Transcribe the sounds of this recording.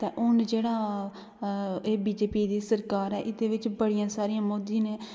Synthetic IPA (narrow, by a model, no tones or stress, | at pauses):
t̪eːʔʊnd͡ʒeːɽaː | eːbiːd͡ʒeːpiːd̪iːsəɾkaːɾɛːʔɪd̪eːʋɪt͡ʃbəɽijãːsaːɾijãːmoːd̪ineː